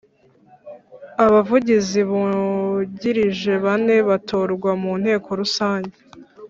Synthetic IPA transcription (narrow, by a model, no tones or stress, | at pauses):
aβavuɟiziβu | ɟiɾiʒe̞βane̞βatʰo̞ːɾɡwamun̥he̞ːkʰo̞ɾusaːɲɟe